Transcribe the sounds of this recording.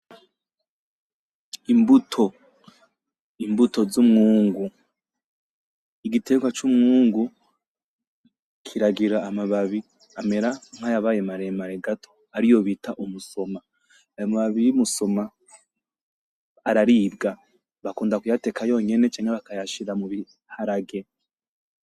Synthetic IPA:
imbutʰo̞ | imbuto̞zumŋuːŋɡu | iɡitʰe̞ɡwat͡ʃumŋuːŋɡu | kʰiɾaɡiɾaːmaβaβi | ame̞ɾaŋ̥hajaβajemaɾemaɾeɡatʰo̞̥ | aɾijo̞βitaʔumuso̞ma | ajomaβaβijimuso̞ma | ɾaɾiːbɡa | βakuːndakujate̞kajo̞ɲe̞ne̞t͡ʃaːɲheβakajaʃiɾamuβi | haɾaɡe̞

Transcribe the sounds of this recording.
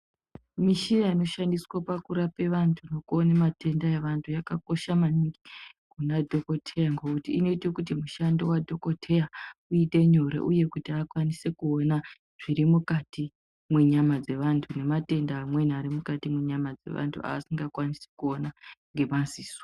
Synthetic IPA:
miʃiraino̞ʃandiswapakuɾape̞ʋantʰuno̞kuonemate̞ndaeʋantʰujakako̞ʃamaniŋɡikunadʱo̞ko̞tʰejaŋɡoutiːno̞itekut̬imuʃandiwadʱo̞ko̞tʰejauite̞ɲoɾḛʔuje̞kutiakwanise̞kuona | ʐ̥iɾimukati | mweɲamad͡ze̞ʋantʰune̞mate̞ndaːmwe̞naɾimukatimweɲamad͡ze̞̰ʋa̰ntʰṵa̰ːsiŋɡakwanise̥kuo̞naŋɡe̞manziːswa

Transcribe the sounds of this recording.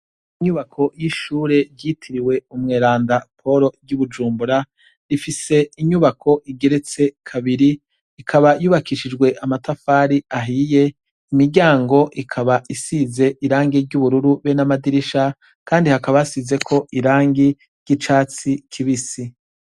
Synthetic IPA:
iɲuβakʰo̞jiʃuːɾe̞ɾɟitʰiɾiwe̞umŋeːɾaːndapʰo̞ɾo̞ɟuβud͡ʒuːmbuɾa | ɾifise̞iɲuβakʰo̞ʔiɡe̞ɾe̞t͡se̞kʰaβiɾi | ikʰaβajuːβakiʃid͡ʒɡwe̞ʔamatafaːɾiaɦiːje̞ | imiɾɟaːŋɡo̞ʔikʰaβaisize̞ʔiɾaːŋɡiɾɟuβuɾuɾuβenamadiɾiʃa | kaːndihakaβasize̞kʰo̞ʔiɾaːŋɡi | ɾɟ̥it͡ʃaːt͡sikʰiβisi

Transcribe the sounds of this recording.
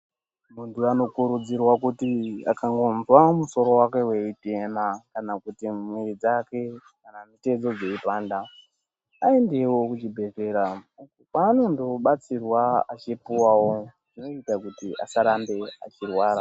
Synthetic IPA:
muntuano̞kuɾud͡zirwakutia̰kaŋɡo̞nzwamuso̞ɾo̞wake̞we̞ite̞makanakutimwerid͡zake̞ | kanamite̞d͡zo̞d͡ze̞ipaːnda | aende̞wo̞kut͡ʃibʱe̞ve̞ːɾa | kano̞ndo̞ɓat͡sirwaat͡ʃipuwawo̞ʐino̞itakutiʔa̰saɾambe̞a̰t͡ʃirwaːɾa

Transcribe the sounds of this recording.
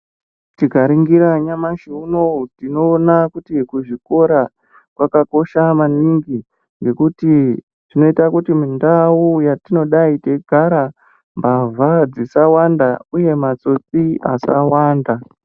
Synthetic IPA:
tiɡʱaɾiŋɡiɾaɲamaʃiuno̞tino̞ːnakutikuʐiko̞ɾa | kwakako̞ʃamaniŋɡi | ŋɡe̞kuti | ʐ̥ino̞itakutimindaujatino̞ɗaite̞ɡʱaɾa | mbavʱad͡zisawandauje̞mat͡so̞t͡sia̰sawaːnda

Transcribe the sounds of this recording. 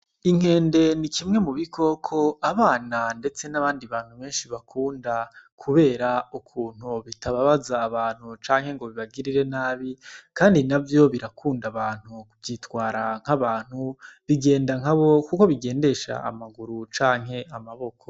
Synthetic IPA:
iŋ̥e̞ːnde̞nikimŋe̞muβikʰo̞kʰo̞aβaːnande̞t͡se̞naβaːndiβaːn̥huβe̞ːnʃiβakʰuːndakʰuβe̞ːɾaukʰuːn̥huβitʰaβaβazaːβaːn̥hut͡ʃaːŋhe̞ŋɡo̞βiβaɡiɾiɾe̞naːβikaːndinavjo̞βiɾakʰuːndaβaːn̥huvjitwaːɾaŋ̥haβaːn̥huβiɡe̞ːndaŋ̥aβo̞kuko̞βiɡe̞ːnde̞ʃa̰ːmaɡuɾut͡ʃaːŋ̥ɦe̞amaβo̞kʰo

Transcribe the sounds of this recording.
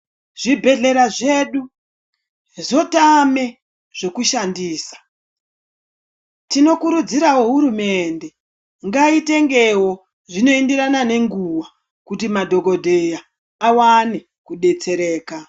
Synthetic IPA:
ʐ̥ibʱe̞ɮe̞ɾaʐe̞ɗu | zo̞tame̞ | ʐ̥e̞kuʃandiːsḁ | tino̞kuɾud͡ziɾawoɦuɾume̞nde̞ | ŋɡaite̞ŋɡe̞wo̞ | ʐino̞indiɾanane̞ŋɡuwa | kutimadʱo̞ɡo̞dʱejaː | wane̞ | kuɗe̞t͡se̞ɾe̞ːka

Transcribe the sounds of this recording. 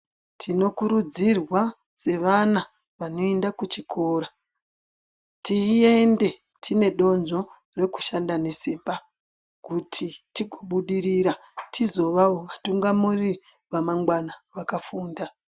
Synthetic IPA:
tʰino̞kuɾud͡zirwa | se̞ʋana | ʋano̞endakut͡ʃikʰo̞ːɾa | tiiende̞ | tʰine̞ɗo̞nd͡ʒo̞ | re̞ku̥ʃandane̞siːmba | kutʰitiɡʱo̞ɓuɗiɾiɾatʰizo̞ʋaoʋatuŋɡamuri | ʋamaŋɡwanaʋakafuːnda

